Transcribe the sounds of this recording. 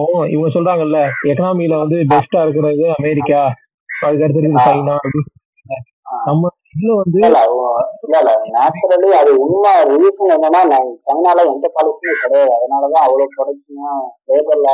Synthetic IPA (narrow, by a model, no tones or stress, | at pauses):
õɪ̰ʋɐŋɡɐsɔlraːŋɡɐɪlːɐɛkɐnaːmiɪlɐʋɐnd̪ɯbɛsʈaːɪɾɯk̬ːɐɾɐðɯɐmeːɾɪkːaː | ɐðɯk̬ːɐːɾɐt̪̬ːɪɾɪkɪðɯsɐɪnãːɐɾɾisɐ | lːɐ | nɐmːɐ | ɪðɪlɐ̃ʋɐnd̪ɯlːalːɐlanaːt͡ʃːɐɾɐliɐðɯʊɳmaɾiːsɐnɛnːɐnːaːnɐsɐŋnaːlɐ̃ɛnd̪ɐpaːlɪsɐnɯkɔɽɐjaːðɯɐðɐnaːɭɐðãːɐʋɐɭoːkɔɽɐkːɪjɐ̃feːbɐɾla